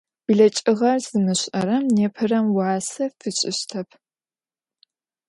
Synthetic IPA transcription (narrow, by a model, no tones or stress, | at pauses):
b̥ɨɮɐt͡ʃʼɪʁɐrz̥ɨmɨɕɐɾɐmneːpʰɨrɐmwɑːsɐfɨt͡ʃʼɪ̰ɕtʰɐpʰ